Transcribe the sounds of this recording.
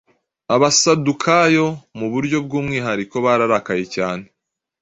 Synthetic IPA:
aβasadukʰajo̞muβuɾɟo̞b̚ɡuːmŋiːɦaɾiko̞βaɾaɾakaje̞caːne

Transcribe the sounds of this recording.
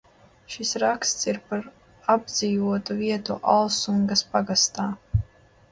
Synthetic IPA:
ʃisɾakst̪siɾpaɾ | ab̚d̪ziːvuɔt̪uviɛt̪uʔalˠsuŋɡaspaɡast̪aː

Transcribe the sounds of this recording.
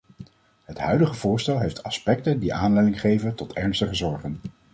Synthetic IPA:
ɦətɦœɥdəχəvʊːɹstɛlˠɦejftɑspɛk̚təndiʔaːnlɛjdɪŋχejvəntɔtɛɹnstəχəzɔɹχən

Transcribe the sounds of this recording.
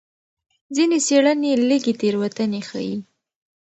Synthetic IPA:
zineseɽəneləɡet̪eɾwat̪ənexa̰i

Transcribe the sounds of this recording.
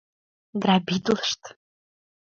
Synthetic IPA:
ɡɾabid̪ləʃt̪

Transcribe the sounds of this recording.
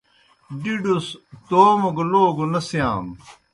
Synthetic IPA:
ɖiɖust̪oːmɐɡoloːɡonɐsjaːm

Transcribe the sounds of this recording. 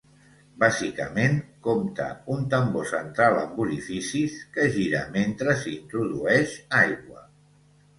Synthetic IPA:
bazikə̰menkomt̪ə̰unt̪əmbosənt̪ɾaləmbuɾifisiskəʒiɾə̰ment̪ɾəsiint̪ɾuðuɛʃajɣwə

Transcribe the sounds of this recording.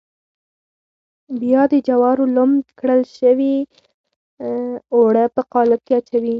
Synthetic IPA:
bjɑd̪əd͡ʒawɑɾolomd̪kɽəlʃəwi | oɽapəqɑlakeat͡ʃawi

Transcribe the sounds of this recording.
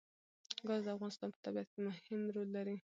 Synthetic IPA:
ɡɑzd̪əafɣɑnɪst̪ɑnpə̥t̪abiat̪̚kemʊhɪmɾolːaɾi

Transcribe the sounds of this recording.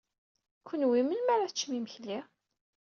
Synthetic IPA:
kʷʰːənwimənmæɾaθət͡ʃːmiməçli

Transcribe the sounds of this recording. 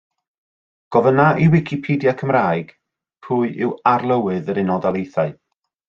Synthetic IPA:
ɡ̥ɔvənaʔiwɪkʰipʰiːdjakʰəmraːjɡ̥ | pʰuːɨʔɪwarlˠəwɨðəɾɪnɔdalˠejθaɨ

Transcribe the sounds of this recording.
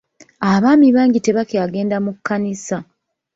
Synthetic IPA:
aβaːmiβaːŋɟite̞βakeaɡe̞ːndamukːanisa

